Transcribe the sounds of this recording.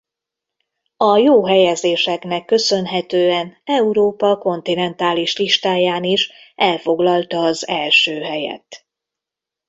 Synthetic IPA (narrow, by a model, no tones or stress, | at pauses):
ɒjoːɦɛjɛzeːʃɛknɛkːø̞sø̞nɦɛt̪øːɛnɛuɾoːpɒko̞nt̪inɛnt̪aːliʃliʃt̪aːjaːniʃʔɛlfo̞ɡlɒlt̪ɒːzɛlʃøːɦɛjɛ̰t̪